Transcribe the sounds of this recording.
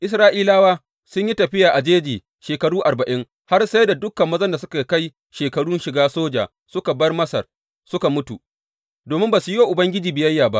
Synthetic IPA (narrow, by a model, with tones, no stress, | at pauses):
ʔɪ˦s̬ɾaː˦ʔiː˦laː˦waː˦ | sʊ˦ɲji˦tɐ˨ɸɪ˦jaː˨ʔa˨d͡ʒeː˦d͡ʒiː˨ | ʃeː˨kɐ˨ɽuː˦ʔa˨rbɐ˨ʔɪ˦ŋ | ha˦rsa˦jda˨dʊ˦kːɐ˨mːɐ˦zɐ˦nda˨sʊ˦ka˨˦ka˦j | ʃeː˨kɐ˨ɽu˦nʃɪ˨ɡaː˦soː˦d͡ʒa̰ː˨ | sʊ˦ka˨bɐ˦rmɐ˦sɐ̰˨r | sʊ˦ka˨mʊ˦tu˨ | doː˨mɪ˦mbaː˨su˨joː˦˨ʔʊ˨bɐ˦ŋɡʲɪ˦d͡ʒiː˨bɪ˨jɐ˦jːaː˨ba̰˦ʔ